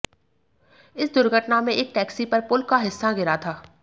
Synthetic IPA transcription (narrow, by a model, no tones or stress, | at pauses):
ɪsd̪ʊɾɡʱəʈnamẽʔeːk̚ʈɛːksipɐɾpʊlkaɦɪsːaɡɪɾat̪ʰaː